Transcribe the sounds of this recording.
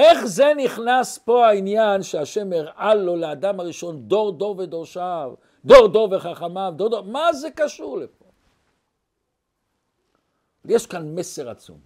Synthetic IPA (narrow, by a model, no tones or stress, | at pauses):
ʔeχzeniχnaspo̞hainjanʃeaʃemiʁʔalːo̞lead̪amaʁiʃo̞nd̪o̞ʁd̪o̞ʁved̪oʁʃav | d̪oʁd̪oveχaχamavd̪oʁd̪omazekaʃuʁlep̚o̞ | valjeʃkanmeseʁa̰t͡sṵm